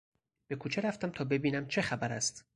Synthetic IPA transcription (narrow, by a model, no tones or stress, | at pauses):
b̥e̞kʰuːt͡ʃʰeɾæft̪æmt̪ʰɒːbe̞biːnæmt͡ʃʰe̞xæbæɾæst̪